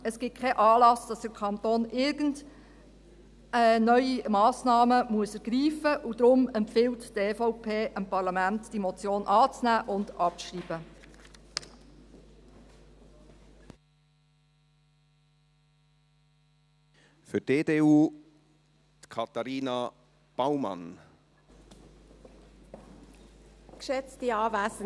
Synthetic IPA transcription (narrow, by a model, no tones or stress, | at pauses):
əsɡ̥ɪt̚kʰɛʔɑːlɑsd̥ɑsd̥əɾkʰɑnt̪oːnʔɪɾɡənd | ənœʏimɑːsnɑːməmuəsɛɾɡ̥ɾiːfəʔud̪ɾʊmɛmpfɪltteːfɔʊpʰeːʔəmpɑɾlɑmæntd̥imɔt͡sjoːnʔɑːt͡snæːʔʊndɑpʃriːb̥ə | fʏd̥eːdeːuː | t̪kʰɑt̪aɾiːna | b̥aʊmɑ̰n | kʃɛt͡stiɑːvæsə